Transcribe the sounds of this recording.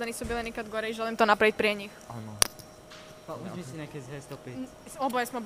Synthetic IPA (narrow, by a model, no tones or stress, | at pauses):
anisubilɛnikad̪ɡɔɾɛiʒɛlɛmt̪ɔnapɾaʋic̚pɾɛɲixa̰nɔ | auisiɲɛakɛzɦɛst̪ɔpi | ɔbɔjɛsmɛb